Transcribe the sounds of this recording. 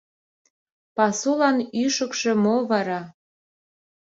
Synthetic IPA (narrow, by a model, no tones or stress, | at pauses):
pɑsulɑnyʃəkʃĕmoβɑɾɑ